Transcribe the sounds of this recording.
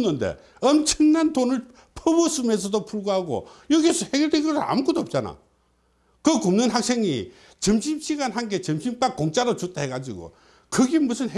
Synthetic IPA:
nːɯndḛ | ʌmt͡ɕʰʌŋnantonɯɭ | pʰʌbosʰumes̬ʰʌdopʰuɭɡohaɡo̰jʌɡiesʰʌhe̞ɡʲjʌɭdenɡʌsʰɯɾa̰mkodoːp̚t͡ɕ͈ana̰ | kɯkumnɯnɦak̚s͈ʰeŋi | t͡ɕʌmɕʰimɕʰiɡanɦanɡe̞t͡ɕʌmɕʰimt͈akːoŋt͡ɕ͈aɾot͡ɕut͈aɦeɡad͡ʑḭɡo̰ | kɯɡemus̬ʰɯnɦe

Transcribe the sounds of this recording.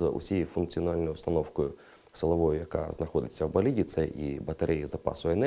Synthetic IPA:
ṵsʲijɛfunkt̪sɨjanalʲnɔjʊwst̪ɐnɔwkʊjʊ | sɐlˠɐvɔjʊjaka̰znɐxɔd̪ʲɪtʲsʲːɐbɐlʲiɡʲit̪sɐʔibɐt̪aɾʔɛjizɐpa̰sʊɛnɛ

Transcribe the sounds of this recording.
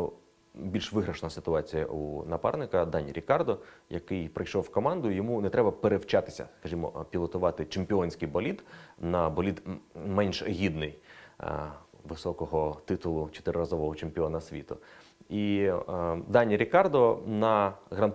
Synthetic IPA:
bʲilʲʃʋɪɦɾɐʃnɐsɪt̪ʊɑt͡sʲijɐ̰ʔṵnɐpɑ̰rnɪkɐd̪ɑnʲiɾʲikɑrd̪ɔjɐkɪjpɾɪjʃɔwkɔmɑnd̪ʊjɔmunɛt̪ɾɛbɐpeɾewt͡ʃɑt̪ɪ̥sʲɐ̰skɐʒʲimɔ̰pʲilˠɔt̪ʊʋɑt̪ɪt͡ʃempʲɪɔnʲsʲkɪjbɔlʲid̪nɐbɔlʲid̪mɛnʲʃɦʲid̪nɪj | ʋɪsɔkɔɦɔt̪ɪt̪ʊlˠʊt͡ʃɔ̥t̪ɪɾɔɾɐzɔʋɔɦɔt͡ʃemʲpʲiɔnɐsʲʋʲḭt̪ʊ̰ | i | d̪ɑnʲːiɾʲikɑrd̪ɔnɐɣɾɐn

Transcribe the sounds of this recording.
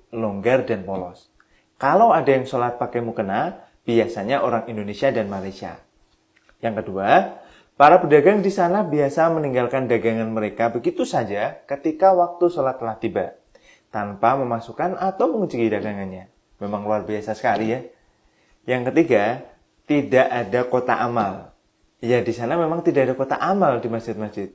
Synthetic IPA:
loŋɡardanpolɔs | kalawadajaŋsolat̪̚pakajmukəna | b̥iasaɲaʔoɾaŋindonesiadanmalajsia̰ | jaŋkədua | paɾapədaɡaŋdisanabiasaməniŋɡalkandaɡaŋanməɾekabəɡit̪usad͡ʒakət̪ikawak̚t̪usəlaht̪əlaht̪iba | t̪anpaməmasukanat̪awməŋəd͡ʒuɡidaɡaŋanɲa | memaŋluarbiasasə̥kalija | jaŋkət̪iɡa | t̪idaʔadakot̪a̰ʔamal | jadisanamemaŋt̪idaʔːdakot̪a̰ʔamaldimasd͡ʒɪt̪̚masd͡ʒɪt̪̚

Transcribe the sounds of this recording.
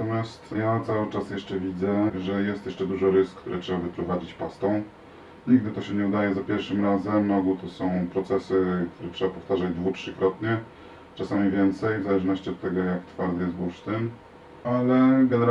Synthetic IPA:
t̪ɔmʲjast̪jat̪sawɘt͡ʂasjɛʂt͡ʂɛvʲid̪zɛʐɛjɛst̪jɛʂt͡ʂɛd̪uʐɔɾɘskːt̪uɾʔɛtʂɛbavɘpɾɔvad͡ʑit͡ɕpast̪ɔ̃w̃ | ɲiɡ̚d̪ɘt̪ɔɕɛɲɛud̪ajɛzapʲjɛɾfʂɘmɾazɛmɾɔɡut̪ɔsɔ̃w̃pɾɔt̪sɛsɘk̚t̪uɾɛtʂɛbapɔ̥ft̪aʐad͡ʑd̪vutʂɘkɾɔt̪ɲɛ | t͡ʂasamʲivʲjɛnt̪sɛjvzalɛʐnɔɕt͡ɕiɔt̪ːɛɡɔjakt̪faɾd̪ɘjɛst̪buʂt̪ɘn | alɛɡɛnɛɾ

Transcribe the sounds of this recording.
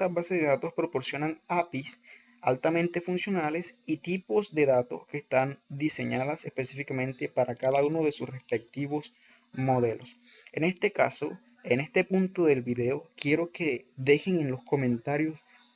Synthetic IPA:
t̪aβaseðeðat̪o̞spɾo̞po̞ɾsjo̞naŋapis | alt̪amẽnt̪e̞funsjo̞nale̞sit̪iposd̪e̞ðat̪o̞̰ske̞ːst̪and̪ise̞ɲaðase̞spe̞sifikamẽnt̪e̞paɾakaðauno̞ðe̞susre̞spe̞k̚t̪iβo̞s | mo̞ðe̞lo̞sene̞st̪e̞ka̰so̞ | e̞ne̞st̪e̞punt̪o̞ðe̞lβiðe̞o̞kje̞ɾo̞ke̞ðe̞xeŋenlo̞sko̞mẽ̞nt̪aɾjo̞s

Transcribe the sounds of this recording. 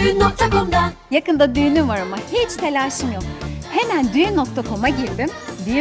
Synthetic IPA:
nok̚t̪ʰakomd̪a | jakɯnd̪ad̪yjnyvaɾɯmahit͡ʃt̪ʰelʲaɾʃɯmjok̚he̞mænd̪yno̞kt̪ʰakʰo̞maɟiɾd̪imd̪i

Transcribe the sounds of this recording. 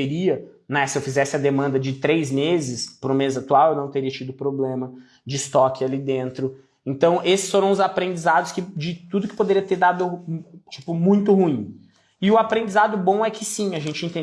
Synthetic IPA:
eɾiɐnɛsɪewfizɛsɪɐd̪emɐ̃nd̪ɐd͡ʒɪt̪ɾejzmezɪspɾʊ̃mezɪat̪uawewnɐ̃w̃t̪eɾiɐt͡ʃid̪ʊpɾoblẽmɐ | d͡ʒɪst̪ɔkʲɪalid̪ẽnt̪ɾʊ | ẽnt̪ɐ̃w̃ʔesɪ̥sfoɾɐ̃w̃ʊzapɾẽnd͡ʒizad̪ʊskɪd͡ʒɪt̪ud̪ʊkɪ̥pod̪eɾiɐt̪eɾd̪ad̪ʊt͡ʃi̥pʊmũj̃t̪ʊhuĩ | ɪʊapɾẽnd͡ʒizad̪ʊbõw̃ɛkɪsĩɐʒẽnt͡ʃɪẽnt̪ẽ

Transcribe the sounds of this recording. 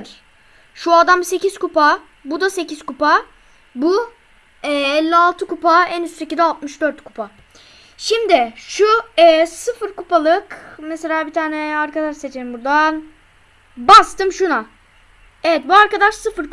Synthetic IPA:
ɾ | ʃuad̪amse̞cizkupa | bud̪ase̞cizkupa | bu | ɛːɛlʲːialˠt̪ʰɯkupaɛnysse̞cizalˠt̪mɯʃd̪øɾt̪kʰu̥pʰa | ʃimd̪ɪʃuɛsɯfɯɾkupalˠɯkmɛse̞lʲaːbit̪ʰaːnɛaɾkad̪aʃset͡ʃʰenimbuɾd̪an | bast̪ʰɯmʃuna | evɛt̪̚buaɾkad̪aʃsɯfɯɾ

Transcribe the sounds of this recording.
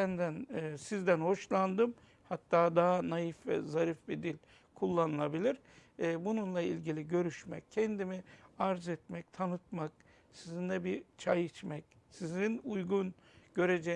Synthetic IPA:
sænd̪ænːsizd̪ænho̞ʃlˠand̪ɯm | hat̪ʰːaːd̪aɦanajifvɛ̰zaɾifbid̪ilʲ | kʰulˠːanɯlˠabilʲiɾː | bununlˠailʲɟilʲiɟø̞ɾyʃmɛ̰c̚cʰɛnd̪imiaɾzɛt̪mɛc̚t̪ʰanɯt̪̚mak̚ | sizind̪ɛbit͡ʃʰajit͡ʃmɛc̚ | sizinujɡun | ɟ̥ø̞ɾed͡ʒɛ

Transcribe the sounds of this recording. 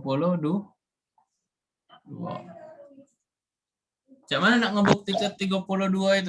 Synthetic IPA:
pulodu | ṵa̰ | t͡ʃaʔmananak̚ŋəbuk̚t̪ikət̪ːiɡapuloduait̪

